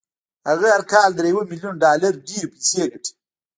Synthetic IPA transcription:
haɣaaɾkɑːld̪ɾejwəmiljunɖɑːlaɾɖiɾpiseɡəʈʰi̥

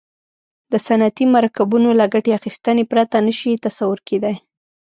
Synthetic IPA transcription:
d̪əsanat̪imaɾakabunolaɡaʈeaxist̪ənepɾat̪anəʃit̪asawʊɾked̪aj

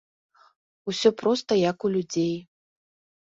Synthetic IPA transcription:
usʲɔpɾɔst̪ɐjɐkulʲud͡zʲej

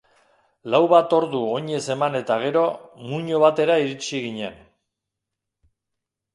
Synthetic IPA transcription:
lawβat̪o̞ɾðuo̞ɲe̞se̞mane̞t̪aɣ̞e̞ɾo̞muɲo̞β̞at̪e̞ɾaiɾit͡siɣ̞iɲe̞̰n

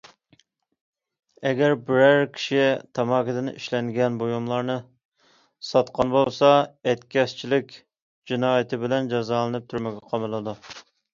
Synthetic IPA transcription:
ɛɡʲɛɾbɪɾæɾkʲʰi̥ʃit̪ʰɑmɑːkʲɪd̪ɪnḭʃlɛŋɡʲɛnbojumlˠɑɾnɨ | sɑt̪qɑnbolˠsɑɛt̪kʲɛst͡ʃʰilɪkʲ | d͡ʒinɑːjɪt̪ʰɪbɪlɛnd͡ʒɑzɑːlˠɨnɨp̚t̪ʰuɾmɪɡʲɛqʰɑmɨlˠɨd̪u

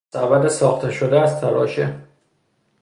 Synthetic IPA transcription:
æbæd̪esɒːxt̪ʰeʃod̪eæzt̪ʰælɒ̰ːʃe

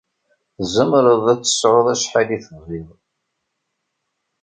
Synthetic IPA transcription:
θzəmɾəðˤæt͡sːə̥sʕoðˤæʃħaliθəviðˤ

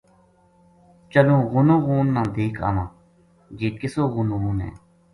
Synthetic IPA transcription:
t͡ʃəlõːɣʊnõːɣuːnːãːd̪eːkʰa̰ːnãː | d͡ʒeːkɪsoːɣʊnõːɣuːnɦɛ̰ː

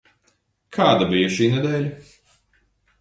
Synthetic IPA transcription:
kʰaːd̪abijɐʃiːnɛd̪ɛːʎʲɐ

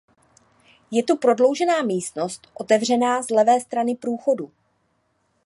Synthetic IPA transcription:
jɛt̪upɾo̞dlo̞wʒɛnaːmiːst̪no̞st̪ʔo̞t̪ɛvr̝ɛnaːzlɛvɛːst̪ɾanɪpɾuːxo̞du

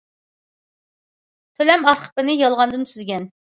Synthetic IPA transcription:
t̪ʰølɛmɑfqʰə̥pɪnɪjɑlˠʁɑnd̪ɨnt̪ʰyzɡʲɛn

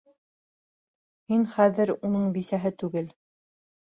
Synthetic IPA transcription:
hinχæðɘɾunɤɴbisæɦɘt̪ʉɡɘl

